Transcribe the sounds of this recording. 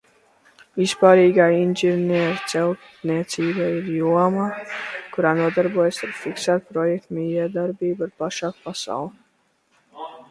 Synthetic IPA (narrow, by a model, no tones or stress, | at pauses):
vispaːɾiːɡaːinʲʒiɾnʲiɾt̪sɛlˠ | niɛt̪siːbaiɾjuɔmaːkuɾaːnuɔd̪aɾbuɔjasaɾfiksaːt̪̚pɾɔjɛk̚t̪mijɛd̪aɾbiːbaɾpaʃaːkpasa̰wlˠi